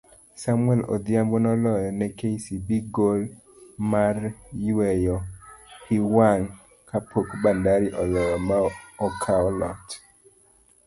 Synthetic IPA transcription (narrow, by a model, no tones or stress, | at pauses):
samwɛlɔ̰d̪iambonɔlɔjɔnɛkesibiɡol | maɾjwɛjɔhiwan | kʰapʰokbandaɾiʔɔlɔjɔmaɔkʰaɔlɔ̰t